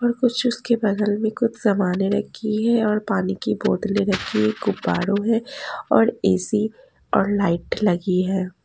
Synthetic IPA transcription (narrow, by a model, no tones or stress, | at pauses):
ɔːɾkʊt͡ʃʰʊskebɐd̪əlmẽkʊt͡ʃʰsɐmaːneɾɐkʰiɦɛɔːɾpaːnikiboːd̪lẽɾɐkʰːiɦɛɡʊbːaːɾõɦɛ̃ɔːɾeːsi | ɔːɾlaːɪʈlɐɡiɦɛː